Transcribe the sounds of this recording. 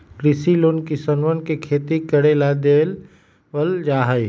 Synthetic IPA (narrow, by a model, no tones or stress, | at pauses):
kɾɪsiloːnkisənʋənkekʰeːt̪ikəɽelad̪eːl | ʋəld͡ʒaːɦəi